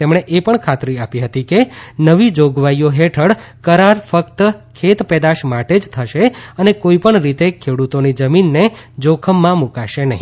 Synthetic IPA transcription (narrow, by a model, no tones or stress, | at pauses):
t̪emɳ̃eʔepəɳkʰat̪ɾiapiɦət̪ikenəʋid͡ʒoɡʋaijoɦeʈʰəɽkəɾaɾfəkt̪kʰet̪pɛd̪aʃmaʈed͡ʒt̪ʰəʃeənekoipəɳɾit̪ekʰeɽut̪onid͡ʒəminːed͡ʒokʰəmːãmũkaʃenəɦĩ